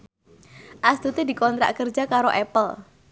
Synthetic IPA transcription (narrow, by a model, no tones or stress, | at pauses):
ʔast̪ut̪idikɔnt̪ɾa̰ʔkərd͡ʒakaɾoʔɛpəl